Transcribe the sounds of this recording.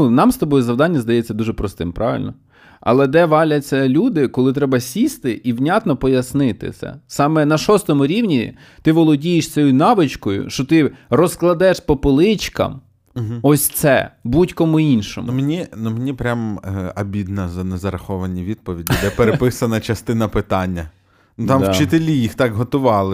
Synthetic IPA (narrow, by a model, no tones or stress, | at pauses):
unɑmst̪ɔbɔjɛzɐʋwd̪ɑnʲːɐzd̪ɐjɛt͡sʲːɐd̪uʒɛpɾɔst̪ɪmpɾɑʋɪ̰lʲnɔ | ɐ̰lˠɛd̪ɛʋɑlʲɐt͡sʲːɐlʲud̪ɪkɔlˠɪt̪̬ɾɛbɐsʲist̪ɪʔiwnʲat̪nɔpɔjɐsnɪt̪ɪ̰sʲɛ̰sɑmɛnɐʃɔst̪ɔmʊɾʲiwnʲi | t̪ɪʋɔlˠɔdʲijɪʃsʲt͡sʲɔjinɑʋɪt͡ʃkɔjʊ̰ʃt͡ʃɔt̪ɪrɔsklˠɐd̪ɛʃpɔpɪlˠɪt͡ʃkɐ̰m | ɔsʲt̪sɛ̰butʲkɔmʊinʃɔ̰mmenʲinumenʲipɾʲamɐbʲid̪nɐzɐnɛzɐɾɐxɔʋɐnʲiʋʲid̪̚pɔʋʲidʲid̪ɛpeɾepɪsɐnɐt͡ʃɐst̪ɪnɐpɪt̪ɑnʲːɐ | nut̪ɑmwt͡ʃɪt̪elʲijixt̪ɑkɦɔt̪ʊʋɑlˠɪ